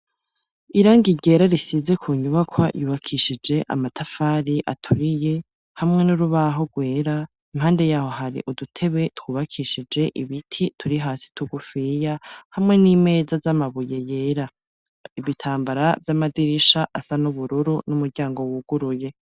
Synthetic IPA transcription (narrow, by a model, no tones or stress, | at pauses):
iɾaːŋɡiɟe̞ɾaɾisize̞kʰuːɲuβakʰwajuːβakʰiʃid͡ʒe̞ʔa̰matʰafaɾiʔatʰuɾije̞ | hamŋe̞nuɾuβaɦo̞ɡwe̞ːɾa | imhaːnde̞jaːho̞ɦaɾḭʔudutʰe̞βe̞twuːβakʰiʃid͡ʒe̞ʔiβitʰitʰuɾiɦaːsi̥tʰuɡufijahamŋe̞niːme̞ːzazamaβuje̞je̞ːɾa | iβitʰaːmbaɾavjamadiɾiʃaʔasanuβuɾuɾunumuɾɟaːŋɡo̞wuɡ̥uɾuje̞